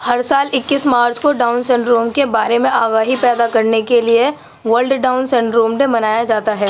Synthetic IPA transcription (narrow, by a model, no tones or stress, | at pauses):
hɐɾsaːlɪkːɪsmaːɾt͡ʃkoɖaːʊnsɛ̃ɳɖɾoːmkebaːɾemẽʔaːɡaːɦipɛːd̪akɐɾnekelie | ʋəɾlɖɖaːʊnsɛ̃ɳɖɾoːmɖebɐnaːjad͡ʒaːt̪aɦɛː